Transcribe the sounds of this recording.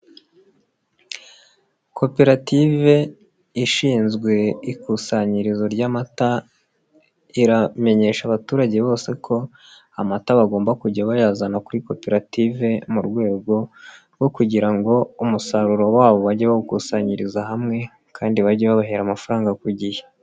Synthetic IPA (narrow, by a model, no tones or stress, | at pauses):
kʰo̞pe̞ɾative̞ | iʃiːnzɡwe̞ikusaɲiɾizo̞ɾɟamata | iɾame̞ɲe̞ːʃaβatuːɾaɟe̞βo̞ːse̞kʰo̞ | amataβaɡoːmbakuɟaβajaːzanakuɾiko̞pe̞ɾative̞muɾɡwe̞ːɡo̞ɾɡo̞kuɟiɾaŋɡo̞umusaɾuɾo̞waːβo̞βaɟeβaβukusaɲiɾizaɦamŋe̞ | kʰaːndiβaɟeβaβaɦeɾamafaɾaːŋɡakuɟije̥